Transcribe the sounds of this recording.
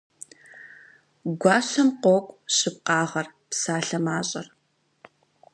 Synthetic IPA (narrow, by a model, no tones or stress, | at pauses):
ɡʷɑːɕɐmqʷɔkʷʼɕɪp̚qɑːʁɐrpsaːɬɐmaːɕʼɐr